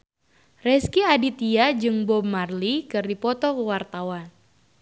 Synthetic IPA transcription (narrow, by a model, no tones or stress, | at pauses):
rɛskiadit̪iad͡ʒɨŋbɔb̚marlikɨrdipɔt̪ɔkəwart̪awan